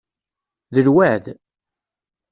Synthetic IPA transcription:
ðəlwaʕð

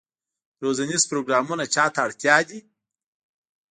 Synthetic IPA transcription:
ɾozanizpɾoɡɾɑmunat͡ʃɑt̪aːɽt̪jɑd̪i

